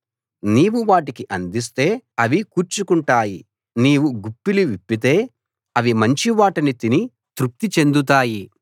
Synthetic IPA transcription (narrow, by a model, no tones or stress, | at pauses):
niːwuʋaːʈikiʔɐnd̪is̬t̪e̞ːɐʋikuːɾt͡ʃukuɳʈaːji | niːwuɡupːiliʋipːit̪e̞ː | ɐʋimɐɲt͡ʃiʋaːʈɐnit̪ini | t̪ɾuk̚t̪it͡ʃe̞nd̪ut̪̬aːji